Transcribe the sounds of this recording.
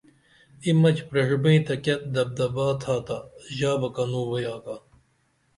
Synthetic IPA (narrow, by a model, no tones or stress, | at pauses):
imɐt͡ɕpɾɐɻbẽit̪ɐket̪̚d̪ɐb̚d̪ɐbaːt̪ʰaːt̪aʑaːbɐkɐnuːwɐjaːka